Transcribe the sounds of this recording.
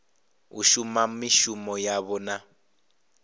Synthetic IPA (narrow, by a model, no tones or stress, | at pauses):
ṵʃumam̩miʃumɔjaβɔna